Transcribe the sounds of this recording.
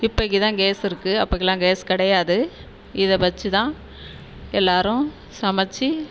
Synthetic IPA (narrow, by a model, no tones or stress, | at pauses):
ɪpːɐɣit̪ãːɡeːsɪɾɯkːɯɐpːɐɣɪlãːɡeːskɪɽɐjaːðɯ | ɪðɛʋɐt͡ʃːɯt̪ãː | ɛlːaːɾʊ̃ | sɐmɐt͡ʃːi